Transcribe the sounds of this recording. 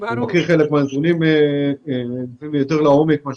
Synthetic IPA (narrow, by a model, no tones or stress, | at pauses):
nokiχelekmeazunime | simjot̪eʁlaomekmaʃ